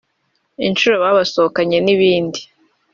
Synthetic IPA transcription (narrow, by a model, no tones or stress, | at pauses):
int͡ʃuɾo̞βaːβasookaɲe̞niβiːndi